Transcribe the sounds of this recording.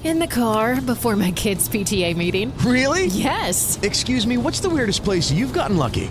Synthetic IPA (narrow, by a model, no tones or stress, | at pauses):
ɨ̃nðɨkʰɑɹbəfɔɹmaɪkʰɪdz̥pʰitʰieɪmiɾɪ̃ŋɹɪlˠijɛsɨkskjʉzmiwʌtsðəwɪɹɾɨs̚pʰl̥eɪsjʉvɡɑʔn̩lʌ̰kḭ